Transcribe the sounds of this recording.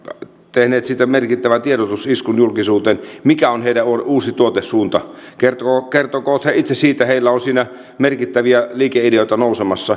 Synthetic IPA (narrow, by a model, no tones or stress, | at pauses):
t̪ehneːt̪sit̪ːæmerkit̪ːæʋænt̪ieɾot̪usiskunjulkisuːt̪eːnmikæonheidæuuːsit̪uot̪essuːnt̪ɑkert̪okert̪okoːt̪heit̪sesiːt̪æheilːæonsiːnæ | merkit̪ːæʋiæliːkeideoˑit̪ɑnoˑusemɑsːɑ